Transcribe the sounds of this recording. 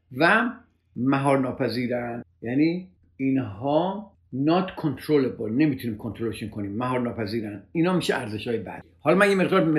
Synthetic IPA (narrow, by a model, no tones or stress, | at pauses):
væ | mæɦɒːɾnɒːpʰæziːɾænjæːniː | inɦɒː | nɒt̪kʰont̪ʰɾoleblne̞miːt̪ʰuniːmkʰont̪ʰɾoleʃunkʰoniːmːæɦɒːɾnɒːpʰæziːɾæniːnɒːmiːʃeæɾze̞ʃhɒːjebæ̰d̪ | hɒːlɒːmænjeme̞ʁd̪ɒːɾme